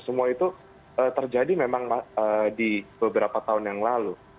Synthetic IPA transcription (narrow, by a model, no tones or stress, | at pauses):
səmuait̪u | əːt̪ərd͡ʒadimemaŋaədib̥əbəɾapat̪aʊnjaŋlalu